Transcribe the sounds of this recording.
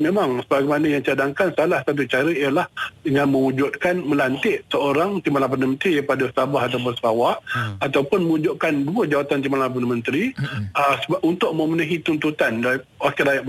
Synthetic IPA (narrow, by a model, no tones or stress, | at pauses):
mẽmaŋsəbaɡamanəjaŋt͡ʃadaŋkansalahsat̪̬ut͡ʃaɾəijalahdəŋãnmə̃ud͡ʒʊt̪̚kanmə̃lant̪ɪʔsəoɾaŋt̪imalap̬ənəmənt̪ɾipadausabaɦat̪aup̬ʊnsə̥ɾawaʔat̪awpʊnmə̃ud͡ʒʊʔ̪̚kanduəd͡ʒawat̪ant̪imalap̬ənəmə̃nt̪ɾiəsəunt̪ʊʔməmənuɦit̪unt̪ut̪andaliwakɪɾajaʔ